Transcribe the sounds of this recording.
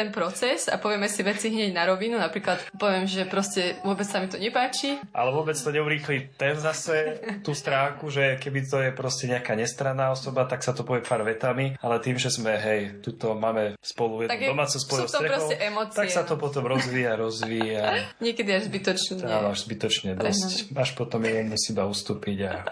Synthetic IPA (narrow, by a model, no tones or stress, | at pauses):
t̪ɛnpɾɔt͡sɛsa̰pɔʋɪɛmɛsiʋɛt͡siɦɲɛɟnaɾɔʋinunapɾiːklat̪pɔʋɪɛmʒɛpɾɔscɛʋʊɔbɛt͡ssamit̪ɔɲɛpaːt͡ʃiʔa̰lɛʋʊɔbɛt͡st̪ɔɲɛuɾiːxlit̪ɛnzasɛt̪uːst̪ɾaːŋkuʒɛkɛbit̪ɔjɛpɾɔscɛɲɛakaːɲɛst̪ɾanːaːɔsɔbat̪aksat̪ɔpɔʋɪɛpaːɾʋɛt̪amialɛt̪iːmʒɛzmɛɦɛjt̪uːt̪ɔmaːmɛspɔlujɛd̪aɔmaːt͡sɛspɔjɔsɾɛɾɔxsɔʊɛʔɛmɔt͡st̪akksat̪ɔpɔt̪ɔmɾɔzʋiːaɾɔzʋiːjaɲɪɛkɛd̪iaʒzbit̪ɔt͡ʃɲanɔaʒzbit̪ɔt͡ʃɲɛd̪ɔscaʃpɔt̪ɔmjɛɛmusiːbaust̪uːpiɟa